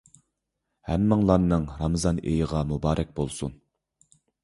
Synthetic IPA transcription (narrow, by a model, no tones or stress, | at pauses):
hɛmːɨŋlˠɑnːɨŋɾɑmɨzɑnḛjəʁɑmubɑːɾʔɛk̚ʲbolˠsṵn